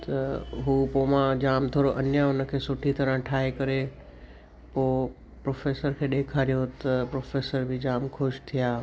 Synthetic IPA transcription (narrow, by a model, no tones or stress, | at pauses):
t̪ɐɦuːpoːmãd͡ʑaːmt̪ʰoːɾoʔɐnjaʊnə̆kʰeːsʊʈʰit̪ɐɾə̃ɦʈʰaːɦekɐɾe | poː | pɾoːfeːsəɾkʰeːɗeːkʰaːɾijot̪ɐpɾoːfeːsəɾbʱɪd͡ʑaːmkʰʊʃt̪ʰijaː